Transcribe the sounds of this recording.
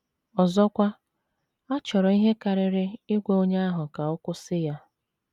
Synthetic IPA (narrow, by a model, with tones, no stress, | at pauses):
ɔ˨zɔ˦kʷa˦ | a˦t͡ʃɔ˨ɾɔ˨i˦ɦe˦ka˨ɾɪ˨ɾɪ˦ɪ˦ɡʷe˨o˦ɲa˦a˦ɦʊ˨ka˨ʊ˦kʷʊ˦sɪ˦ja˦